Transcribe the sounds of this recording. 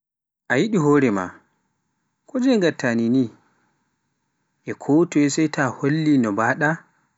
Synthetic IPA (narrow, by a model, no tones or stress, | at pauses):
ʔajiɗiɦoːɾɛma̰ | kʰɔd͡ʒɛŋɡatʰːanini | ʔɛkʰotɔɛsɛjtʰaholːinɔbaːɗa